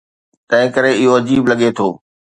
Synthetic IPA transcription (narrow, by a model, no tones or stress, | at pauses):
t̪ɐ̃ɦɪ̃kɐɾeɪɦoɐd͡ʑiːblɐɠet̪ʰoː